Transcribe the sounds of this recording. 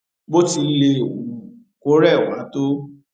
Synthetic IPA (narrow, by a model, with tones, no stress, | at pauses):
bo˦ti˧le˧o˨ũ˨ | ko˨˦ɾɛ˦˨wa˨˦to˦